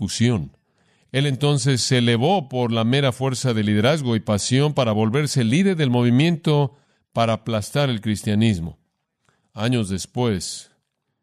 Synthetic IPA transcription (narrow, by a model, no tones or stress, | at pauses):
usjo̞n | e̞le̞nt̪o̞ns̬e̞sːe̞le̞βo̞po̞ɾlame̞ɾafwe̞ɾsaðe̞lið̞e̞ɾazɣo̞ipasjo̞mpaɾaβo̞lβe̞ɾse̞liðe̞ɾðe̞lmo̞β̞imjẽ̞nt̪o̞ | paɾaːplast̪aɾe̞lkɾist̪janizmo̞̰ | aɲo̞zðe̞spwe̞s